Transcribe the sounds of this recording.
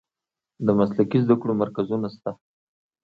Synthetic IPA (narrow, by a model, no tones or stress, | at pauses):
d̪əmaslakizd̪akɽomaɾkazunast̪a